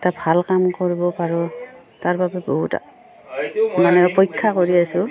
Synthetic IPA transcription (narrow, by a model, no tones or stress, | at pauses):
ɛtabʱalkamkoɹibɔpaɹɔ | taɹbabɛboɦṵta̰ | manɛɔpɔjkʰːakoɹiasʊ